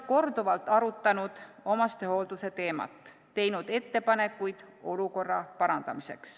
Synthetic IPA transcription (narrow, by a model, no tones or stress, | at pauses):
ko̞rd̪uvɑlt̪ːˑɑɾut̪ːˑɑnud̪̥o̞mɑst̪e̞ho̞ld̪̥use̞t̪e̞ːmɑ̰t̪ˑː | e̞jnud̪̥e̞t̪ːe̞pɑne̞kːˑujd̪̥o̞luko̞rːɑpɑɾɑnd̪̥ɑmise̞̰ks